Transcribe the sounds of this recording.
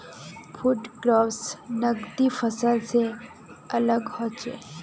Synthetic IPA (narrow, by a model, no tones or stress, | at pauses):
fʰʊʈɡɾaːfsnəɡd̪ifʰəsəlse | ɐləɡhot͡ʃḛ